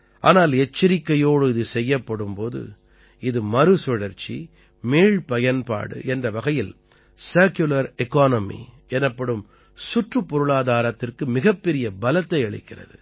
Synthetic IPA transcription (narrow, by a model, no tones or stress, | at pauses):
ʔa̰ːnaːlɛt͡ʃːɪɾɪkːɐjoːɽɯɪðɯsɛjːɐpːɐɽɯmpoːðɯ̰ | ɪðɯmɐɾɯsɪɽɐɾt͡ʃːḭ | meːɻpɐjɐnpa̰ːɽɯ̰ʔɛndrɐʋɐɣɐjɪl | sɐːɾkjʊlɐɾɛkaːnɐmḭ | ɛnɐpːɐɽɯm | sʊʈrɯpːɔɾɯɭaːðaːɾɐt̪ːɪrkɯmɪɣɐpːɛɾɪjɐbɐlɐt̪ːɐɪɐɭɪ̰kːɪrɐ̰ðɯ